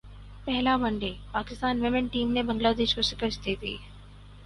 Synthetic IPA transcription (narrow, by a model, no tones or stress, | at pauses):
pɛɦɪlaʋɐ̃ɳɖepaːkɪst̪aːnʋɪmɪ̃ɳʈiːmnẽbɐ̃ŋɡlaːd̪eːʃkosɪkəɾst̪ʰiːt̪ʰḭː